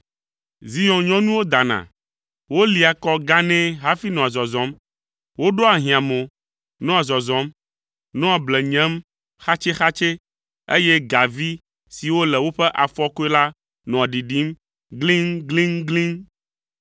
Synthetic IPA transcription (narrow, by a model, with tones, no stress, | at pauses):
zi˦jɔ̃˨ɲɔ̃˦nũ˦wo˦d̪a˨nã̰˨ | wo˦li˨a˨kɔ˦ɡa˦nɛ̃˦ɦa˦fi˦nɔ̃˨a˨zɔ˨zɔ̃˨˦m | wo˦ɖo˦a˨ɦĩ˨ã˨mõ˨ | nɔ̃˦a˨zɔ˨zɔ̃˨˦m | nɔ̃˦a˨blɛ˨ɲɛ̃˦m | xa˦t͡ʃe˦xa˦t͡ʃe˦ | ḛ˦jɛ˦ɡa˨vi˦ | si˨wo˦lɛ˨wo˦ɸɛ˦ʔa˨fɔ˦ko˦ɛ˦la˦ | nɔ̃˨a˨ɖi˨ɖi˦m | ɡlĩ˦ŋɡlĩ˦ŋɡlĩ˦ŋ